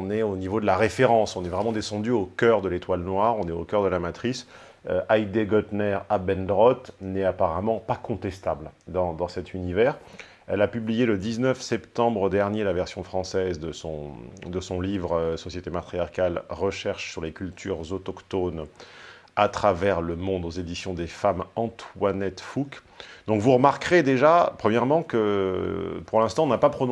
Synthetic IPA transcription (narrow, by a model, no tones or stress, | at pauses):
nɛonivod̪əlaʁefeʁɑ̃sɔ̃nɛvʁɛmɑ̃d̪esɑ̃d̪yokʲœʁd̪əlet̪walnwaʁɔ̃nɛokœʁd̪əlamat̪χis | øʔajd̪eɡɔt̪nɛʁabɛnd̪ʁɔt̪nɛapaʁamɑ̃pakɔ̃t̪ɛst̪abld̪ɑ̃d̪ɑ̃sɛt̪ynivɛʁ | ɛlapyblijeləd̪iznœfsɛpt̪ɑ̃bʁəd̪ɛʁnjelavɛʁsjɔ̃fχɑ̃sɛzd̪əsɔ̰̃d̪əsɔ̃livʁsɔsjet̪emat̪χijaʁkalʁəʃɛʁʃsyʁlekʲylt̪ʰyʁzɔt̪ɔkt̪on | at̪χavɛʁləmɔ̃d̪ozed̪isjɔ̃d̪efamɑ̃t̪wanɛt̪fuk | d̪ɔ̃kvuʁəmaʁkʁed̪eʒapχəmjɛʁmɑ̃kə | puʁlɛ̃st̪ɑ̃ɔ̃napapχɔñ